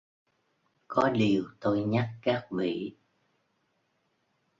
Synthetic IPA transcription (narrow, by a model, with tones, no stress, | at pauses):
kɔ˨˦ɗi˨˩əwt̪o˧jɲa˦˥kːaː˦˥k̚vḭ˧˨